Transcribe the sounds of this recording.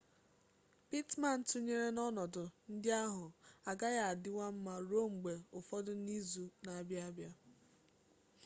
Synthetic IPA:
pi˦tma˨n̩˦tu˦ɲe˦ɾe˦nɔ˦nɔ˨dʊ˨n̩˦dɪ˦a˦ɦʊ˨a˨ɡa˦ɣa˨a˨dɪ˦wa˦m̩˦ma˨ɾo˦˨ŋ͡m̩˨ɡ͡be˨ʊ˨fɔ˦dʊ˦ni˦zu˦na˨a˨bja˦a˦bja˦

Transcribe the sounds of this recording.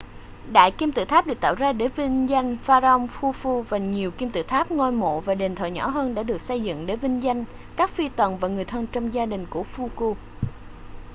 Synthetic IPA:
ɗa̰ː˧˨jki˧mt̪ɨ̰˧˨t̪ʰa˦˥p̚ɗɨ˨˩k̚t̪aː˧˨wzaː˧ɗe˧˩˦vi˧ŋza˧jŋ̟faː˧ə˧wŋ͡mfu˧fu˧vaː˨˩ɲi˨˩əwki˧mt̪ɨ̰˧˨t̪ʰaː˦˥p̚ŋɔ˧jmo̰˧˨vaː˨˩ɗe˨˩nt̪ʰə̰ː˧˨˩jɲɔ˧˩ɦəː˧nɗa̰ː˧˥ɗɨ˨˩ək̚sə˧jzɨ̰˧˨ŋɗe˧˦vï˧ŋ̟za˧jŋ̟ | kaː˦˥k̚fi˧t̪wə˨˩nvaː˨˩ŋɨ˨˩əjt̪ʰə˧nt͡ɕɔ˧wŋ͡mzaː˧ɗï˨˩ŋ̟ku˧˩əfu˧ku˧

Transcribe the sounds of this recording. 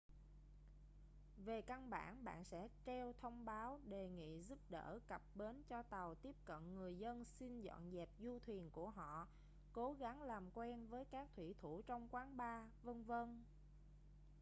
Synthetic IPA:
ve˨˩ka˧nɓa̰ː˧˩nɓa̰ː˧˨nsɛ̰˧˥t͡ɕɛ˧wt̪ʰə˧wŋ͡mɓaː˨˦wɗe˨˩ŋḭ˧˨zu˦˥p̚ɗəː˧˩kə˨˩p̚ɓe˨˦nt͡ɕɔ˧t̪a˨˩wt̪i˦˥əp̚kə̰˧˨nŋɨ˨˩əjzə˧nsi˧nzɔ̰˧˨nzɛ˨˩p̚zu˧t̪ʰwi˨˩ənku˧˩əɦɔ̰˧˨ | ko˨˦ɣa˨˦ŋlaː˨˩mkwɛ˧nvəː˨˦jkaː˦˥k̚t̪ʰwi˧˩t̪ʰu˧˩t͡ɕɔ˧wŋ͡mkwaː˨˦nɓaː˧və˧nvə˧n

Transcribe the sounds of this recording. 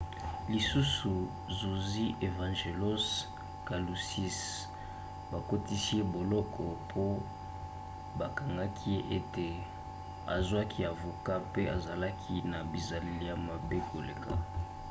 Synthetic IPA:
li˨su˦su˨ | zu˨zi˦ʔe˨vã˨ʒe˨lo˦s | ka˨lu˨si˦s | ba˨ko˦ti˦si˦e˦bo˨lɔ˦kʰɔ˨pʰo˦ | ba˨ka˨ŋɡa˦kʰi˦je˦ʔe˦te˨ | a̰˨zwa˦kʰi˦a˨vo˨ka˦pe˦a˨za˨la˦kʰi˦na˨bi˨za˨le˨li˦ja˨ma˨be˦kʰo˨lḛ˨ka̰˦

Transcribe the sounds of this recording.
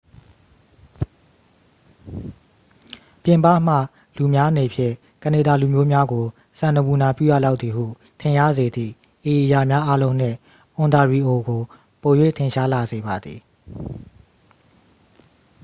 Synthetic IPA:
pjɪ̃˨mpa̰˦˨m̥ä̰˦˨ | lu˨mja˦ə˦ne˨pʰjɪ̰̃˦˨ | kə˨e˨da˨lu˨mjo˦mja˦ɡo˨ | sã˨nə˨bu˨na˨pjṵ˦˨ja̰˦˨la˦ʊt̪ði˨hṵ˦˨ | tʰɪ̃˨ja̰˦˨ze˨d̪ðḭ˦˨ | ʔe˨ʔə˨ja˨mja˦ʔa˦lõ˦ʊ̃n̥ɪ̰̃˦˨ | ʔʊ̃˨nd̪a˨ɹi˨ʔo˨ɡo˨ | po˨jwḛ˦˨tʰɪ̃˨ʃa˦la˨ze˨ba˨d̪ði˨

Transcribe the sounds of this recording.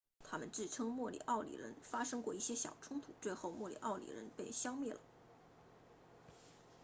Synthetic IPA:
t̪ʰa˥mə˨nʈ͡ʂɻ̩˥˩ʈ͡ʂʰɤ˥ŋmwɔ˥˩lḭ˨˩ʔɑ˥˩ʊlḭ˨˩ɻə̰˧˥nfa˥ʂɤ˥ŋkwɔ˥˧i˥˩ɕjɛ˥ɕjɑ˨˩ʊʈ͡ʂʰʊ˥ŋt̪ʰu˧˩t͡swe˥˧ɪxo˥˧ʊmwɔ˥˩lḭ˨˩ʔɑ˥˩ʊlḭ˨˩ɻə̰˧˥npe˥˩ɪɕjɑ˥ŋmɛ˥˩lə̰˩

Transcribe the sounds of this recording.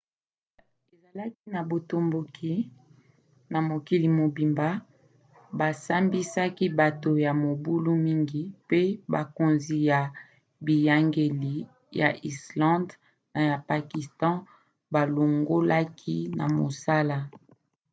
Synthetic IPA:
e˨za˨la˦ki˦na˨bo˨to˨mbo˨kʰi˦ | na˨mo˨ki˨li˨mo˨bi˨mba˦ | ba˨sa˦mbi˦sa˦ki˦ba˨to˨ja˨mo˨bu˦lu˦mi˦ŋɡi˦pe˦ba̰˨ko˨nzi˨ja˨ | bi˨ja˨ŋɡe˨li˨ | ja̰˨ʔi˨slɑ̃˦nd | na˨ja˨pa˨ki˨stɑ̃˦ | ba˨lo˨ŋɡo˦la˦kʰi˦na̰˨mo̰˨sa˦la˦

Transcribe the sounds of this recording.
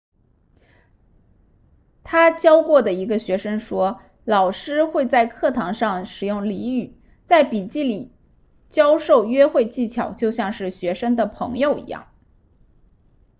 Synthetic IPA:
t̪ʰa˥t͡ɕjɑ˥ʊkwɔ˥˩d̪ə˩i˧˥ɡə˧ɕɥɛ˧˥ʂə˥ŋʂwɔ˥ | lɑ˨˩ʊʂɻ̩˥xwe˥˧ɪt͡sa˥˧ɪkʰɤ˥˩t̪ʰɑ˧˥ŋʂɑ˥˩ŋʂɻ̩˨˩jʊ˥˩ŋli˧˥y˨˩ | t͡sa˥˩ɪpi˨˩t͡ɕi˥˩li˨˩ | t͡ɕjɑ˥ʊʂo˥˩ʊɥɛ˥xwe˥˧ɪt͡ɕi˥˩t͡ɕʰjɑ˨˩ʊt͡ɕjo˥˧ʊɕjɑ˥˧ŋʂɻ̩˥˩ɕɥɛ˧˥ʂə˥ŋd̪ə˨pʰɤ̰˧˥ŋjo˧ʊḭ˧˥jɑ̰˥˩ŋ

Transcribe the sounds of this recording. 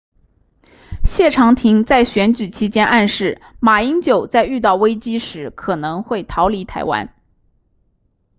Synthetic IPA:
ɕjɛ˥˩ʈ͡ʂʰɑ˧˥ŋt̪ʰi˧˥ŋt͡sa˥˩ɪɕɥɛ˧˥nt͡ɕy˨˩t͡ɕʰi˧˥t͡ɕjɛ˥nʔa˥˧nʂɻ̩˥˩ | ma˨˩i˥ŋt͡ɕjo˨˩ʊt͡sa˥˧ɪy˥˧t̪̬ɑ˥˩ʊwe˥ɪt͡ɕi˥ʂɻ̩˧˥kʰɤ˨˩nɤ˧˥ŋxwe˥˩ɪt̪ʰɑ˧˥ʊli˧˥t̪ʰa̰˧˥ɪwa̰˧˥n

